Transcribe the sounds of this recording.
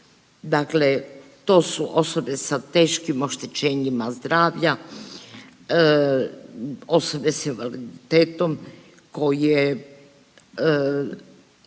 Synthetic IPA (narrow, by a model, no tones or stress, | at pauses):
d̪aklet̪o̞ːsuʔoso̞be̞sat̪e̞ːʃkimo̞ʃt̪et͡ʃeːɲimazd̪ɾaːʋʎa | o̞so̞be̞sinʋalid̪it̪eːt̪o̞m | ko̞jie